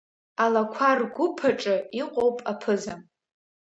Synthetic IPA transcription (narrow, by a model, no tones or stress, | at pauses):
alakʷʰarɡʷʊpʰaʈ͡ʂʼɨiqʷʼowpʼapʰɨzam